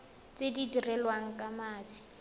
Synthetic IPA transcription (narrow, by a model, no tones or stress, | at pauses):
t͡sedidirɛlwaŋ̩kʼamaːt͡si̥